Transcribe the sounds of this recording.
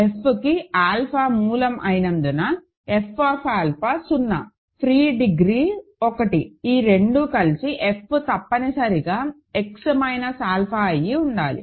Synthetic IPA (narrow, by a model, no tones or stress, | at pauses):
e̞pʰːukiaːlpʰaːmuːlɐmʔɐjnɐnd̪unɐ | epʰːaːpʰaːlpʰaːsunːɐ̰ | pʰɾiːɖiɡɾiːɔkɐʈiiːɾeɳɖukɐlisiʔepːut̪ɐpːɐnisɐɾiɡaː | eksmɐjnɐsaːlpʰaːɐjːiuɳɖaːlḭ